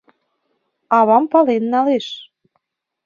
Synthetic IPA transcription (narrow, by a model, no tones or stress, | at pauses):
ɑβɑmpɑlenːɑleʃ